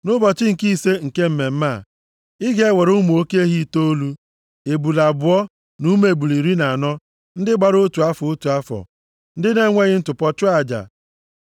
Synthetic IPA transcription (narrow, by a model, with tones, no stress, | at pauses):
nʊ˦bɔ˨t͡ʃɪ˦ŋ̩˨ki˦˨se˦ŋ̩˨ke˦m̩˦me˨m̩˦ma˦˨ | ɪ˦ɡe˦we˨ɾʊ˦mu˨o˦ke˦ɦi˦˨to˦lu˦ | e˨bu˨la˨bʊ˨˦ɔ˦ | nu˦me˨bu˨li˨ɾi˦na˨nɔ˦ | n̩˦dɪ˦ɡ͡ba˨ɾo˦tu˨a˦fʊ˨o˦tu˨a˦fɔ̰˨ | n̩˦dɪ˦ne˦ŋʷe˦ɣɪ˦n̩˦tʊ˨pɔ˦t͡ʃʊ˦a˨d͡ʒa̰˨